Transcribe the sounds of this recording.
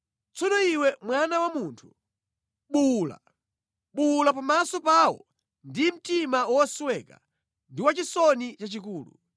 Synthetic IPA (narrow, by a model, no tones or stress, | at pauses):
t͡sɔnɔiwɛmwanawamuːntʰu̥ | ɓula̰ | ɓulapamasɔpaːwɔ̰ | ndim̩timawɔswɛka̰ | ndiwat͡ʃisɔnit͡ʃat͡ʃikuːlṵ